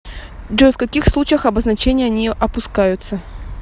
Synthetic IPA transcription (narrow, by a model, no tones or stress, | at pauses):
dofkɐkʲixslˠut͡ɕɪjəxɐbəznɐt͡ɕenʲɪjəɐnʲiʔɐpʊskajʊt̪sə